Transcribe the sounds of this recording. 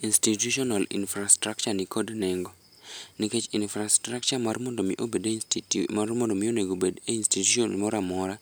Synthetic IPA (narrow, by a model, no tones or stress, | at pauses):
instituʃɔnalḭnfɾastɾak̚t͡ʃanikʰodnɛŋɡo | niket͡ʃinfɾastɾakt͡ʃamarmondomiʔobedeinstitumarmondomɪoneŋɡobedeinstituʃɔnmɔɾamɔɾa